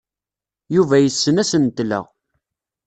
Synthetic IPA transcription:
juvæjəsːənæsənt̪ːlə̰ʁ

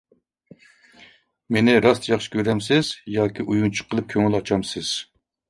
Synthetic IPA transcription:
menɪɾɑst̪ʰjɑχʃɪ̥kʲʰøɾɛmsɪz̥jɑːkʲʰiʔujuŋt͡ʃʰu̥qʰəlˠɨp̚kʲʰøŋylɑt͡ʃʰɑmsɪz̥

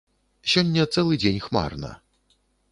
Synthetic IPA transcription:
sʲɔnʲːɐt̪sɛlˠɨd͡zʲenʲxma̰rnɐ̰

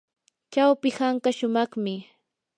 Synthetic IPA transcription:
t͡ʃawpɪhaŋkaʃʊmɑχmɪ

